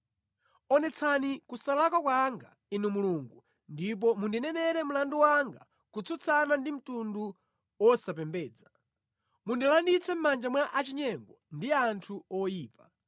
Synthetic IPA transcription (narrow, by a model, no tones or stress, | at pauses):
ɔnɛt͡sʰanikusalakwakwaŋɡa̰ | inumuluŋɡu | ndip̬ɔmundinɛnɛɾɛm̩landuwaŋɡa̰ | kut͡sʰut͡sʰanandim̩tundu | wɔsap̬ɛmbɛːd͡za | mundilandit͡sɛm̩mand͡ʒamwaʔat͡ʃiɲɛŋɡɔndiantʰuɔjiːpa